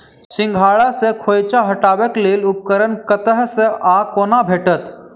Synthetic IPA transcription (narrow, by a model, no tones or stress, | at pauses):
sĩŋɡʱaɭasekʰojt͡ɕaɦəʈaʋəkliːlup̚kəɾənkət̪əɦseʔakonabʱeʈət̪